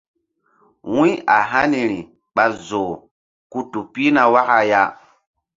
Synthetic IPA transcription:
wũ˦a˨ɦa˦ni˨ɾi˨ | ɓa˨zoː˨ | ku˦tu˨pi˦na˨wa˦ka˨ja˦

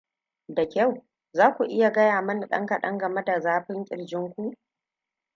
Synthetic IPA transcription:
dɐ˨kʲa˦˨w | zaː˦kʷu˨ʔɪ˦ja˨ɡɐ˦jaː˨mɐ˦n˨ɗɐ̰˦ŋkɐ˨ɗɐ˦ŋɡɐ˨me˦da˨zaː˦ɸɪ˦ŋkʲʼɪ̰˨ɽd͡ʒɪ˦ŋkʷu˦ʔ

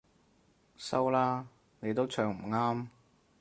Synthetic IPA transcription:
sɐ˥wlaː˥ | ne˨˧jt̪̬o˥wt͡ʃʰœː˨˩ŋm̩˨˩ŋaː˥m

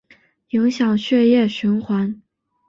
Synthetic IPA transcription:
jɤ˧˥ŋɕjɑ˨˩ŋɕɥɛ˥˧jɛ˥˩ɕy˧˥nxwa˧˥n

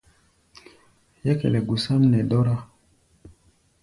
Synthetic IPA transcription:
jɛ˦kɛ̰˨lɛ˨ɡu˨sa˦m̩˦nɛ˨dɔ˦ɾa˦

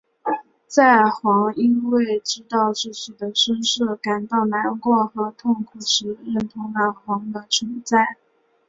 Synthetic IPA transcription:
t͡sa˥˩ɪxwɑ˧˥ŋi˥nwe˥˩ɪʈ͡ʂɻ̩˥t̪ɑ˥˧ʊʂɻ̩˥˩ɕʰy˨˩d̪ə˦ʂə˥nʂɤ˥˩ka˨˩nt̪ɑ˥˩ʊna˧˥nkwɔ˥˩xɤ˧˥t̪ʰʊ˥˩ŋkʰu˨˩ʂɻ̩˧˥ɻə˥˩nt̪ʰʊ˧˥ŋlə˧˩xwɑ˧˥ŋd̪ə˧t͡sʰwə˧˥nt͡sa˥˩ɪ

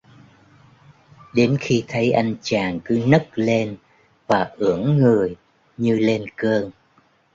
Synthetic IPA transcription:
ɗe˨˦nxi˧t̪ʰə˨˦jʔa˧jŋ̟t͡ɕaː˨˩ŋkɨ˨˦nə˦˥k̚le˧n | vaː˨˩ʔɨ˧˩əŋːɨ˨˩əj | ɲɨ˧le˧nkəː˧ŋ

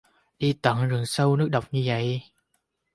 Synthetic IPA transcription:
ɗi˧t̪ə˧˨˩ŋzɨ˨˩əŋsə˧wnɨ˦˥ək̚ɗə˨˩wk͡p̚ɲɨ˧və̰˧˨j

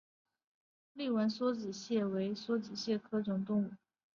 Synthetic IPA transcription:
li˥˩wə˧˥nswɔ˥t͡ɕi˨˩ɕjɛ˥˩we˧˥ɪswɔ˥t͡ɕi˨˩ɕjɛ˥˩kʰɤ˥ʈ͡ʂʊ˨˩ŋt̪ʊ˥˧ŋu˥˩

